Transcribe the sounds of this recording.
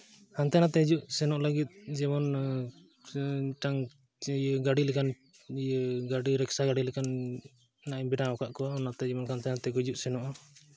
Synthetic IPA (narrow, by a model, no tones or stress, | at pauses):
kant̪anat̪ɛid͡ʒuʔsɛnɔʔləɡit̪̚ˀd͡ʒimɔn | ʈaŋ | jəɡaɖilɛkan | ijəɡaɖiɾɛksaɡaɽilɛkanː | aʔɲbiɖãɔkaʔkɔwaɔnaʔt̪ɛd͡ʒimɔnkant̪anat̪ɛɡɔd͡ʒuʔsɛnɔʔa